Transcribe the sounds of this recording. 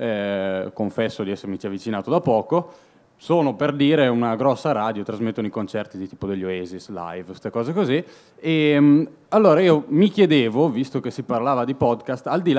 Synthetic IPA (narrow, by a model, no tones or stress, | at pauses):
ɛkoɱfɛsːod̪iɛsːeɾmit͡ʃ̪iavːit͡ʃinaːt̪od̪apːɔːko | soːnoperd̪iːɾeunaɡɾɔsːaɾaːd̪jot̪ɾazmet̪ːonoijkont͡ʃɛrt̪id̪it̪iːpod̪eʎːoeːzisla̰jvst̪ekɔːzekozi | e | alːoːɾaiːomikjed̪eːvovist̪okesːiparlaːvad̪ipɔd̪kast̪ald̪il